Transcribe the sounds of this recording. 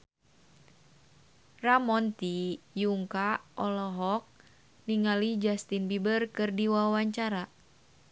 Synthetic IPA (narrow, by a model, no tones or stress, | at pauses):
ramɔnt̪ijuŋkaʔɔlɔɦɔk̚ | niŋalid͡ʒast̪inbibərkɨrdiwawaɲt͡ʃaɾa